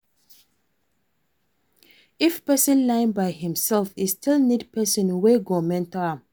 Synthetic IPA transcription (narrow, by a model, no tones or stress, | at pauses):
ɪfpɛsə̃nlãɪ̃nbaɪhɪ̃msɛlfistʰɪlnidpʰɛsə̃nweɡɔmɛ̃ntɔa